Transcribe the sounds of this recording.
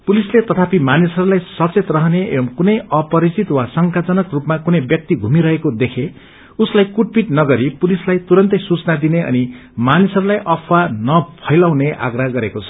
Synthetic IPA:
pulislet̪ʌt̪ʰapimanisʌɾulajsʌt͡set̪rʌɦʌneḛbʌmkunʌjʌpʌɾit͡sit̪wasʌŋkat͡sʌnʌkrupmakunʌjbjʌk̚t̪iɡʱumiɾʌɦekod̪ekʰe | uslajkuʈ̚piʈnʌɡʌɾipulislajt̪uɾʌnt̪ʌjsut͡snad̪ineʌ̰ni | manisʌɾulajʔʌpʰwanʌpʰʌjlawneʔa̰ɡraɡʌɾekot͡sʰʌ̥

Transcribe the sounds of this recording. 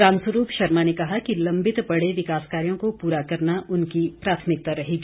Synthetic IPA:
aːnsəɾuːpʃɐɾmanekɐɦakilɐ̃mbɪt̪pɐɽeʋɪkaːskaːɾijõkopuːɾakɐɾnaʔʊnkipɾaːt̪ʰmɪk̚t̪aɾɐɦiːɡiː

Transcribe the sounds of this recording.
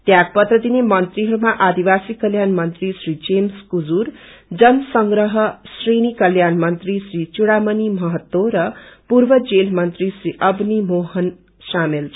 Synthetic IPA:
t̪jak̚pʌt̪rʌd̪inemʌnt̪riɦʌɾumaʔad̪ibasikʌljanmʌnt̪risɾid͡zemskud͡zurd͡zʌnsʌŋɡɾʌɦʌsrinikʌljanmʌnt̪risrit͡suɽamʌnimʌɦʌt̪ːoɾʌpuɾbʌd͡zelmʌnt̪risriʔʌbnimoɦʌn | samelʰ

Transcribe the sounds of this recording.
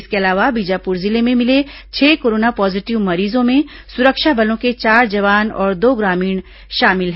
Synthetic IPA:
ɪskeɐlaːʋabid͡ʒapʊɾzɪlemẽmɪle | t͡ʃʰɛːkoːɾoːnapɔːzɪʈɪʋmɐɾiːzõmẽ | sʊɾəkʃabɐlõket͡ʃaːɾd͡ʒɐʋaːnɔ̰ːɾd̪oːɡɾaːmiːɽ̃ | ʃaːmɪlɦɛ

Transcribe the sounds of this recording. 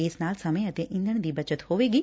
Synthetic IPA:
ɪsnaːlsəmẽət̪eːʔɪ̃nd̪ʱəɳ̃d̪iːbət͡ʃət̪hoːʋeːɡiː

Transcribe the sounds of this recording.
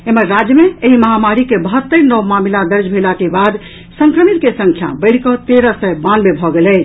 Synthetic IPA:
emeɾːad͡ʒjəmeeɦiməɦamaɾikebəɦət̪ːəɾnɔwmamilad̪əɾd͡ʒʱbʱelakebad̪ | səŋkɾəmit̪̚kesə̃ŋkʰja̰bəɪɽ̤kɔt̪eɾəsəjbanmebʱɔɡelɛɪt͡ʃʰ

